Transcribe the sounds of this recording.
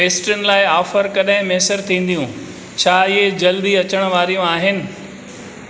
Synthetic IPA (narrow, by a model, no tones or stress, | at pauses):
ʋeːsʈənɪ̆laːɪɔːfəɾkɐɗɦɪ̃meɦsəɾt̪ʰĩːn̆d̪ijũ | t͡ɕʰaːɪɦed͡ʑɐld̪iɐt͡ɕəɽ̃ʋaːɾijũaːɦɪnɪ̆